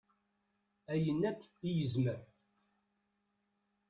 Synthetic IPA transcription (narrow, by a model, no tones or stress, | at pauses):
æjənːækːijəzməɾ